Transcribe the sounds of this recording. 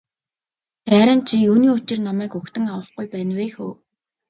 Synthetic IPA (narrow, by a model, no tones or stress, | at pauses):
tæːɾə̆nt͡ɕʰijuːniːʊt͡ɕɪ̆rnamæːkɵkt̪ɘ̆ŋawə̆χɡujpæːnweːxuː